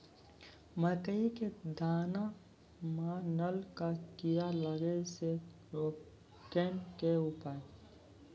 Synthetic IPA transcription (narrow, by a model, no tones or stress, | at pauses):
məkəiked̪aːna | mãnəlkakijaləɡese | ɾoː | ʈeːnkeʊpaːe